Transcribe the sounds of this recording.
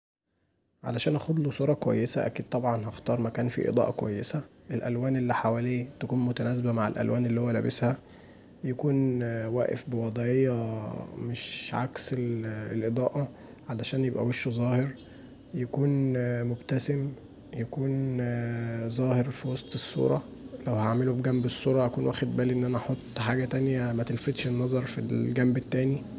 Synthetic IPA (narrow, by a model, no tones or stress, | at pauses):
ʕa̰læʃæːnʔæxod̪losˤuːɾˤɑkwæ̰jːesæʔæ̰kiːd̪̚t̪ˤɑbʕɑnɦɑxt̪ɑːɾˤmækæːnfḭʔḛd̪ˤɑ̰ːʔɑkwæ̰jːesæʔelʔæ̰lwæːnʔelːiħawæːliːt̪ækuːnmʊt̪ænæːz̬bæmaʕḛlʔæ̰lwʔæːnʔelːihowːælæːbeshæ | jækuːnwæ̰ːʔḛfbewɑd̪ˤʕejːɑmeʃʕa̰kseelʔed̪ˤɑ̰ːʔɑ | ʕalæʃæːnjebʔæ̰weʃzˤɑːheɾ | jækuːnmobt̪æsem | jækuːn | zˤæːheɾfiwɑsˤt̪ˤesˤːṵːɾˤɑlæwhaʕmelubɡæmbesˤːuːɾˤɑʔækuːnwæːxed̪̚bæːliʔenːʔænæʔɑħot̪ˤːħaːɡæt̪ænjæmæt̪elfet̪ʃenːɑzˤɑɾˤfilɡæmbet̪ːæːni